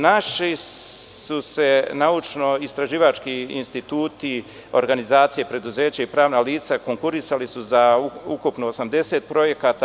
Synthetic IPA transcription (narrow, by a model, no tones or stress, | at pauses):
naʃisuse̞naut͡ʃno̞ist̪ɾaʒiːʋat͡ʃkiinst̪it̪uːt̪i | o̞̰ɾɡanizaːt̪sije̞pɾe̞d̪uze̞ːt͡ɕaipɾaːʋnaliːt̪sako̞ŋkuɾisalisuzaukupnoosamd̪e̞seːt̪̚pɾo̞je̞kaːt̪a